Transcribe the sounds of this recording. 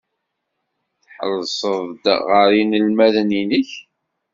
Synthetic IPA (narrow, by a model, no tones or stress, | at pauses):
θħə̰lːsˤəðˤd̪ʁəɾinəlmæðninəç